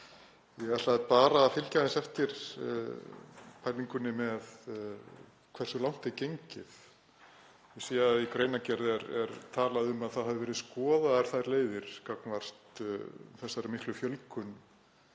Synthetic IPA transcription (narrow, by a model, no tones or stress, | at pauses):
jɛɣat̪lapaːɾaːfɪlcaðɪnsɛft̪ɪɾ̥ | pʰajliŋkʏnːɪmɛð | kʰvɛr̥sʏlawn̥t̪ɛɾcejɲcɪθ | jɛsiːjaikɾeːjnacɛɾðɛɾɛɾt̪ʰaːlaðʏmaðθaðhavɪvɛɾɪðskɔːðaðaɾ̥θaðɾleːjðɪɾ̥kaknvar̥t̪θɛsːaɾmɪhklʏfjœlkʏn